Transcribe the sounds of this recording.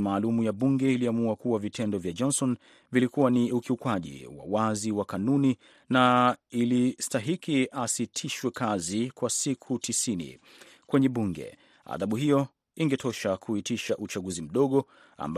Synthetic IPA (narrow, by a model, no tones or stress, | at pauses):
maːlumujaɓuŋɡɛiliamuakuwavitʰɛndɔvjad͡ʒɔnsɔn | vilikuwaniukiukwaʄḭwa̰waziwakanuni | nailistaɦikiasitʰiʃwɛkazikwasikʰutʰisinḭ | kwɛɲɛɓuŋɡɛ̰ | a̰ðaɓuhijɔ | iŋɡɛtʰɔʃakʰuhitiʃaʔut͡ʃaɠuzim̩ɗɔɠɔ | a̰mb